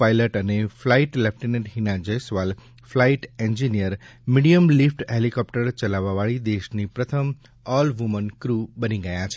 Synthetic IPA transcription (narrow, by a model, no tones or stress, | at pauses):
pajləʈəneflaiʈlɛp̚ʰʈinẽɳʈɦinãd͡ʒəjsʋal | flaiʈẽnd͡ʒinijəɾmiɽijəmlifʰʈɦelikɔpʈəɾt͡ʃəlaʋaʋaɭid̪eʃnipɾət̪ʰəm | ɔlʋumənkɾubəniɡəjãt͡ʃʰe